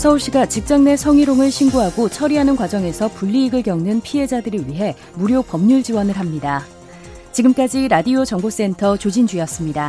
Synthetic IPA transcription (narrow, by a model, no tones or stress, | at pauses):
sʰʌuɭɕ͈iɡat͡ɕik̚t͡ɕ͈aŋnesʰʌŋiɾoŋɯɭɕʰinɡoɦaɡot͡ɕʰʌɾiɦanɯnkwad͡ʑʌŋe̞sʰʌpuʎːiːɡɯɭɡjʌŋnɯnpʰiɦe̞d͡ʑadɯɾɯɭɥiɦe̞ | muɾjopʌmɲuɭd͡ʑiwʌnɯɭɦamɲida | t͡ɕiɡɯmk͈ad͡ʑiɾadiot͡ɕʌŋbos͈e̞ntʰʌt͡ɕod͡ʑind͡ʑijʌs͈ɯmɲida